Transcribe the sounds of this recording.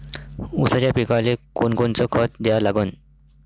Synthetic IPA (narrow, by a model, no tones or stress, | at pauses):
usat͡ɕapikalekonkont͡sɔkʰət̪̚d̪ejalaɡən